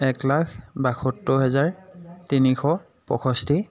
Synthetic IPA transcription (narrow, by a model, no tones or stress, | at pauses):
ɛklakʰbaxotːɔɦɛzaɹtinixɔ | pɔ̰xʰɔstʰi